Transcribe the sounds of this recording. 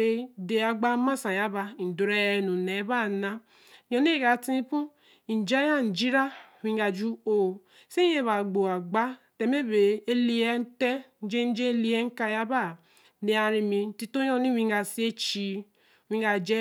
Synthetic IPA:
e˦de˨a˨ɡ͡ba˦ma˦sa˨ja˦ba˨n̩˨do˨ɾe˦ɛ˦nu˨ne˨˦ba˦˨na˦ | jɔ˨n˦e˦˨ɡa˨ti˦pu˦˨ | d͡ʒa˦ja˦n̩˨d͡ʒi˦ɾa˦˨wi˦ɡa˨d͡ʒu˦o˨ | se˦je˦βa˨ɡ͡bo˨a˨ɡ͡ba˦te˨me˦be˨e˦li˨e˦n̩˦te˦n̩˨˦d͡ʒe˦n̩˦d͡ʒe˦li˦e˦ŋ̩˦ka˦ja˦ba˦˨ | ne˨a˨ɾi˨mi˨n̩˨ti˦to˦jɔ˦ni˦wi˦ŋ˦ɡa˨si˦e˦t͡ʃi˦˨ | wĩ˦a˨d͡ʒe˦

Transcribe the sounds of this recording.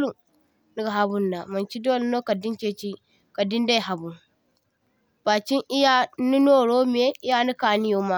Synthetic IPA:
lu˨n | nu˦ɡa˨ɦa˨bu˦˨nːa˨ma˨nt͡ʃi˦do˦lno˦ka˨di˦nt͡ʃe˦t͡ʃi˦ | ka˨di˦nda˦jɦa˨bu˨n | b̥a˨t͡ʃi˦ŋʔi˦ja˦ni˦no˦ɾo˦m˦e˦i˦ja˦ni˦ka˨ni˦jo˦ma˦

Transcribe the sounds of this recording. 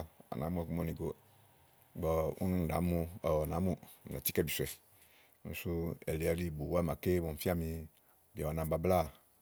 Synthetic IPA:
a̰˨nã̰˨˦mũ˦ɛ˦ku˦m˦ɔ˦nĩ˨ɡo˨ | ɡ͡bɔ˨ṵ˦nũ˦n̩˨da̰˨˦mu˦ɔ˨ɔ˨nã˨˦mu˦˨na̰˨ti˦kɛ˦˨bi˨su˨ɛ˨ | n̩˨su˦ɛ̰˨le˨a˨li˦˨bu˨˦a˦mã˨ke˦bɔ˨fi˦a˦mĩ˧˨ | bi˨a˨a˨nã˨ba˨bla˦˨

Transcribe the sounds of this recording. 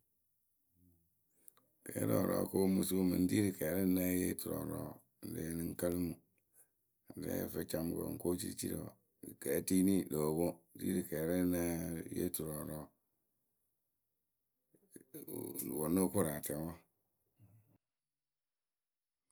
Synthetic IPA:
kɛ˨˦ɾɔ˨ɾɔ̰˨˦ko˦mu˨su˦mɨ̰˨n̩˦di˦ɾi˨kɛ˨ɾɪ˦na˦je˦tu˨ɾɔ̰˨ɾɔː˨˦˨ | n̩˨de˦ni˦ŋ̩˦ka˦lɨ˦mu˨ | n̩˨dɛ̰˦˨fə˦t͡ʃa˦m˦ko̰˨ŋ̩˨ko˦t͡ʃḭ˦t͡ʃḭ˦ɾo̰˨ | kɛ˨˦ti˦ni˦do˨wo˦dḭ˦ɾi˨kɛ˨ɾe˦na˦jḛ˦tu˨ɾɔ˨ɾɔ˨ | wo˨no˦kʊ˦ɾa˨tɛ˨˦wɔ˦

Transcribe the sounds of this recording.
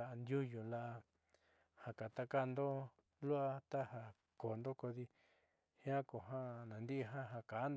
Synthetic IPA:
a˧ʔnd̪ju˦jo˨la˧ʔa˧ | ha˨ka˨t̪a˧ka˦˧nd̪o˦ | lu˦a˧t̪a˦ha˧ | ko˨nd̪o˦ko˧ði˧ | hã˦ko˨ɦã˦nã˨nd̪i˦ʔɦã˦ɦa˧ka˨˦n˧

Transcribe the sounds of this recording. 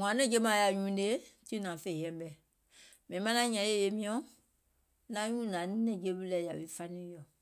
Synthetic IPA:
ŋã˨nɛ̃˦˨d͡ʒe˦mã˨ja˨ɲũː˦de˦ti˦nã˨fe˦˨ɛ̃˨˦bɛ˨ | mɛ̃˨ĩ˨mã˦nã˦ɲã˨˦e˦˨je˨mĩ˦ɔ̃˨˦ | nã˨˦ɲũː˦nãː˨˦nĩ˦nɛ̃˨d͡ʒe˧˦bɨ˦lɛ˨ja˨wi˦fa˦nĩ˦jɔ˨

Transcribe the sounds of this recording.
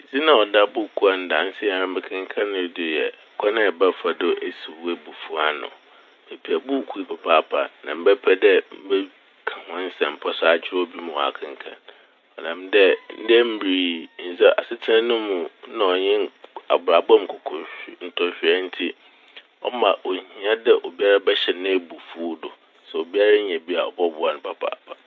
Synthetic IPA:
d͡zi˦nã˨ɔ˨da˦bʊ˦˨kʰu˦a˨n˦dã˨n̩˦sɪ˦ja˨ɾã˦ɪ̃˦kʰɪ̃˦ŋ˦kʰã˦nʊ̃˦dʊ˨jɛ˨kʰɔ˦nɪ̃˦˨bɛ˦fa˨dʊ˦ʔe˦si˨we˦bu˨fu˦a˦nʊ̰̃˨ | be˨pʰi˨a˨bʊ˦˨kʰu˦pʰa˨pʰaː˦pʰa̰˨nã˨m̩˦bɛ˦pʰɛ˦dɛ˦m̩˦bɛ˦ | kʰã˨hɔ̃˦n˦sɛ̃˨m̩˨pʰɔ˦sa˦a˨t͡ɕʰᶣɪ˦ɾɔ˦bi˦mũ˨wa̰˨kʰã˨ŋ˦kʰã̰˨n | ɔ˨nã˨mdɛ˦n̩˦dɛ˦m̩˦bi˨ɾi˨n̩˨sɛ˦ʔa̰˨sɪ˦tʰɪ˦ã˦nʊ̃˦mʊ̃˨˦nã˨˦ɔ˨ɲɪ̃˦na̰˨bɾa˨bɔ̃˦m̩˨kʰɔ˨kʰɔ˨n̩˨tʰɔ˨ɕᶣɪ˨˦ɛ˦n̩˦tʰi˦ | ɔ̰˦mã˨ʔo˨hĩ˨˦ã˦dɛ˦ʔo˨bi˦a˦ɾa˦bɛ˦ɕɛ˨nɪ̃˦bu˨fu˦dʊ˨ | sɛ˨o˨bi˦a˦ɾa˦ɲɛ̃˨bi˦a˨ɔ̰˨bɔ˦bʊ˦a˨nʊ̃˨pʰa˦pʰa̰ː˨pʰa˨

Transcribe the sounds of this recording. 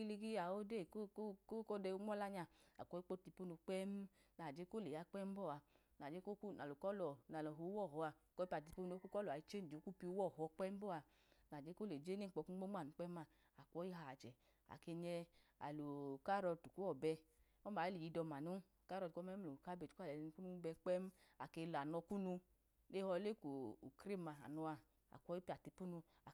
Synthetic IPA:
i˦li˧ɡi˦a˨o˦de˦˨ko˦kko˦ko˦dɛ˧u˦ŋ͡mʷɔ˦la˧ɲa˧˨a̰˨kʷɔ˨˦i˦k͡po˦ti˧po˦nu˧k͡pɛ˦m˦ | na˨d͡ʒe˦ko˦le˨ja˨˦k͡pɛ˦m˦bɔ˦˨a˧˨ | na˨d͡ʒe˦ko˦ku˦˨na˨lo˨kɔ˦lɔ˨na˨lɔ˨ɦo˨˦wɔ˦˨ɦɔ˧a˧˨kɔ˧i˦pa˨ti˧po˦no˧˦ku˦kɔ˦lɔ˨a˨i˦t͡ʃe˦n˨d͡ʒo˨˦ku˦pi˧u˦wɔ˦˨hɔ˧k͡pɛ˦m˦bɔ˦˨a˧˨ | na˨d͡ʒe˨˦ko˦le˨d͡ʒe˦ne˦˨k͡pɔ˧ku˦ɡ͡bo˦ŋ͡ma˦˨nu˨˦k͡pɛ˦ma˦˧˨ | a˨kɔ˦i˦ɦa˨t͡ʃɛ˨ | a̰˨ke˧ɲɛ˧a̰˨lo˨ka˦ɾɔ˧tu˨ku˦ɔ˦˨bɛ˧ | ɔ˦ma˨˦e˦i˨ji˧dɔ˧ma˨nu˦˨ka˦ɾɔ˧˨kɔ˦mɛ˦lo˨ka˦be˨tka˦˨lɛ˨˧n˧ku˦nu˧˦bɛ˧k͡pɛ˦m˦a˨ke˧la˨nɔ˧ku˦nu˧ | ne˦hɔ˧˦le˦ku˨u˨kɾe˦˨ma˧a̰˨nɔ˧a˧ | a̰˨kʷɔ˧˦i˦pi˧a˨ti˧pu˦nu˧ | a˨

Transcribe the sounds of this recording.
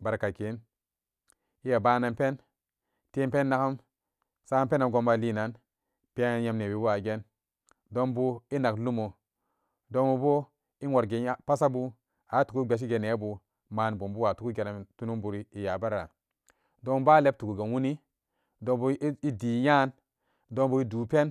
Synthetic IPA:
ba˨ɾka˨ke˨˦n | i˦ja˨ba˦na˨npe˦n | te˦pe˦nːa˦ka˦m | sa˦a˦pe˦na˨ɡo˦mba˨liː˦na˨˦n | pi˦a˦˨˦ja˨mne˨bi˨˦bu˦a˨ɡe˦n | do˦nbu˦i˦na˨klu˦mo˨ | do˦nbu˨bo˦ | i˦o˨ɾɡe˨˦pa˦sa˦bu˦ | a˨˦tu˨ku˦ɡ͡be˨ʃ̬i˦ɡe˨ne˨˦bu˨ | maː˨nbo˨mbu˦wa˨tu˨ku˦ɡe˨na˨m˨tu˦nu˦mbu˨ɾi˦i˨ja˨ba˦ɾa̰˨ | do˦ŋba˦le˦b̚tu˨ku˨ɡe˨wu˦ni˦ | do˨bu˦i˦di˨ja˦n | do˦nbu˦i˦duː˨˦pe˦n

